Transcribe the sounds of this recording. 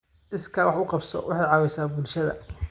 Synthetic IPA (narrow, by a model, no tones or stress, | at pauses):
ʔɪskʰɐɾwħʊqɑbsɔ̰wɑħɑjʕɑwɛjsaːbʊlʃɐðɐ̰